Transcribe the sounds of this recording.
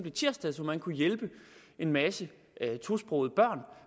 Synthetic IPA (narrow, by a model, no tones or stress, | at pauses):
b̥let͡sʰiɐsd̥æð̰ˠsɒmænkʰujelb̥ə | ʔe̝nmæsə | ʔt͡sʰusb̥ʁɔʊð̩ˠb̥ɶɐ̰n